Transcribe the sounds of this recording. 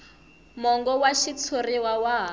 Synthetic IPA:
mɔŋɡɔwaʃit͡sʰoriwawaɦ

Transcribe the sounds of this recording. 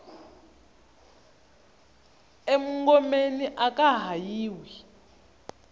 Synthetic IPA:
emuŋɡɔmeniʔakʼaɦajiːwi

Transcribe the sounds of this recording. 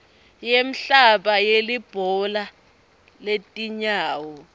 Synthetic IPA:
jem̩ɬaɓajelib̥ʱɔla | letʼiɲaːwɔ

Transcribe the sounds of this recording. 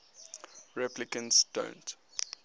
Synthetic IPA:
ɹɛplikə̃nsd̥õ̰ʊ̃nt

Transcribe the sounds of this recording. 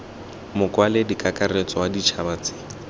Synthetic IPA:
mʊkʼwaledikʼakʼaret͡sʼɔwadit͡ʃʰabat͡sɪ̥ːŋ

